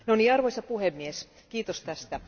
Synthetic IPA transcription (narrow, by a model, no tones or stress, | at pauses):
noniɑrʋojsʲɑpuhemːies | kiːt̪ost̪æst̪æ